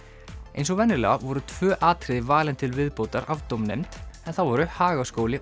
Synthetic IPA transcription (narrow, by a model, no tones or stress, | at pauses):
ejnsɔɣvɛnːɪlɛ̰ɣavɔɾʏt̪ʰvœːʔaːt̪ʰɾɪðɪvaːlɪnt̪ʰɪlvɪðpoːwt̪aɾavt̪owmnḛjmt̪ɛnθawvɔɾʏhaːɣaskoːwlɪ